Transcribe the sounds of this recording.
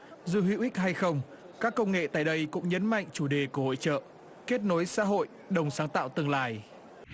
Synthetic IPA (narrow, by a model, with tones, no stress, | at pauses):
zɨ̰˧˨hwḭ˧˨wʔï˦˥k̟̚ha˧jxə˧wŋ͡m | kaː˦˥kːə˧wŋ͡mŋḛ˧˨t̪a̰ː˧˨jɗə˧jkʊ̰˧˥ŋ͡mɲə˨˦nma̰˧˨jŋ̟t͡ɕu˧˩ɗe˨˩ku˧˩əho̰˧˨t͡ɕə̰ː˧˨ | ke˦˥t̚no˨˦jsa̰ː˧˥ɦo̰˧˨j | ɗə˨˩wŋ͡msaː˨˦ŋt̪a̰ː˧˨wt̪ɨ˧əŋlaː˧˩j